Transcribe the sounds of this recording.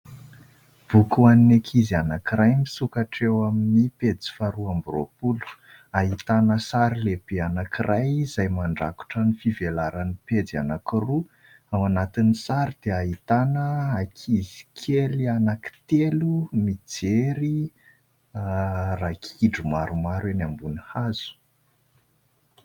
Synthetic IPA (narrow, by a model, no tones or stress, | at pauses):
b̥ukuaninekʰizianakirajmisukaʈ͡ʂewaminiped͡zi̥faɾuambro̰pulu̥ | aɦit̪anəsaɾileb̥eanakirajzajmaɳɖ͡ʐaku̥ʈ͡ʂənifivelaɾaniped͡zia̰nakiru | awanat̪inisaɾid̪̥eaɦit̪anəakʰizi̥kʰelianaki̥t̪elumid͡zeɾi | rakiɖ͡ʐumaɾumaɾwenambunihaz̥u̥